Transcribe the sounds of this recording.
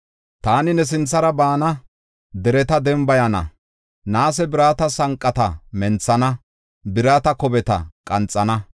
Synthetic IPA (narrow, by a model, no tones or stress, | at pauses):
t̪aːnɪnɛs̬ɪnt͡sːɐɾɐbaːnɐ | d̪ɛɾɛt̪ɐd̪ɛmbɐjɐnɐ̰ | naːsɛbɪɾaːt̪ɐsɐŋkʼːɐt̪ɐmɛnt͡sːɐnɐ | bɪɾaːt̪ɐkɔbɛt̪ɐ̰kʼɐnt͡sʼːɐnɐ